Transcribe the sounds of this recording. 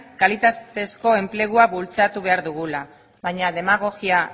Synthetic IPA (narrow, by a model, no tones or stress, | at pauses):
kalit̪at̪e̞sko̞e̞mple̞ɣ̞uaβult͡sat̪uβe̞aɾðuɣula | βajɲaðe̞maɣ̞o̞ɣia